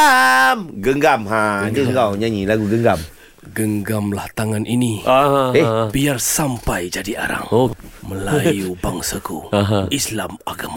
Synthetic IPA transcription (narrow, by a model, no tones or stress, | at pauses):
amɡəŋɡamɦaəŋɡawɲaɲilaɡuɡəŋɡam | ɡəŋɡamlaht̪aŋanʔiniaɦebiarsampajd͡ʒadiʔa̰ɾa̰ŋoməlajubaŋsakuaɦislamaɡama